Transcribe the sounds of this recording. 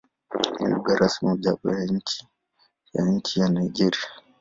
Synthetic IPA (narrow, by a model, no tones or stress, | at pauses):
nɛ̰juɡaɾʔasmiud͡ʒaɓɔ̰jaɲ̩t͡ʃi̥ | ja̰ɲ̩t͡ʃijanajɡɛɾia